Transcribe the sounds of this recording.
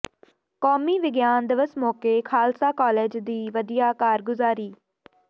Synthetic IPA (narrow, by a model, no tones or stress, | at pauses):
kɔːmiːʋɪɡjaːnd̪ɪʋəsmɔːkeːkʰaːlsaːkaːleːd͡ʒd̪iːʋəd̪ijaːkaːɾɡʊzaːɾiː